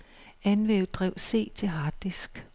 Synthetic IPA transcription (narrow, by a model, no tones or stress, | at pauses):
ænʋeːʊðd̥ʁɛʊse̝̰ːt͡sʰe̝lɦɑ̈ːd̥isɡ̥